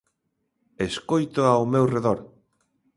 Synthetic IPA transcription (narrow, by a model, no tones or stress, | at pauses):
eskojt̪ʊawmewreðoɾ